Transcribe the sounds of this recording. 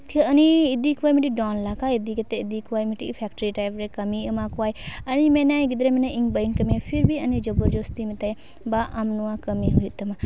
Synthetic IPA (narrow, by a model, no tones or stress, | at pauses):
kʰəəniid̪ikʰuwajmiʈiɖɔnlakaid̪iket̪ɛid̪ikʰuwajmiʈḭʔpʰɛkʈəɾiʈajpʰɾɛkəmiəmakuwajənimɛnajɡid̪ɾɛmɛnajiŋbəinkəmiapʰiɾbiənid͡ʒɔbuɾd͡ʒost̪imɛt̪aj | baʔamnuwakəmiɦujut̪ɐma